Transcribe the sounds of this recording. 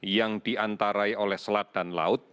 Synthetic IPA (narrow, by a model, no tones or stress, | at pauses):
jaŋd̥iʔant̪aɾaiolɛhsəlat̪̚d̥anla̰ʊt̪̚